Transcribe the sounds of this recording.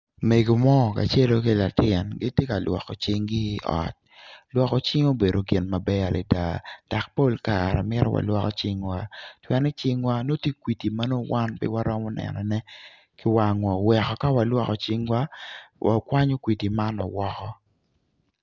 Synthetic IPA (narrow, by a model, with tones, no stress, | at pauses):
me˨ɡo˨mɔ˦˨ka̰˨t͡ʃe˦lo˦ki˦la˨tɪ˨nɡɪ˦tje˦ka˨lwɔ̰˨kɔ˨t͡ʃɪ˦ŋɡɪ˦ɔ̰˨t̚lwɔ˦kɔ˨t͡ʃɪ˦ŋo˦be˨do˨ɡɪ˨nma˨bɛ˦a˨lʔɛ̰˨da̰˨d̥a˨k̚po˦lka˨ɾɛ̰˨mɪ˦ɾɔ̰˦wa̰˨lwɔ˦kɔ˦t͡ʃɪ˦ŋwa˦twɛ˦nɛ˦t͡ʃɪ˦ŋwa˦no˦tje˦kwi˨ti˨ma˦no˦wa˦npɪ̰˦wa˦ɾɔ˦mɔ˦nɛ̰˨nɔ˨nɛ˦ | kɪ˦wa˨ŋwa˨wɛ˨kɔ˨ka˦wa˨lwɔ˦kɔ˨t͡ʃɪ˦ŋwa˦wʔa̰˨kwa˦ɲo˦kwi˨ti˨ma˦nɔ̰˨wɔ˦kɔ˦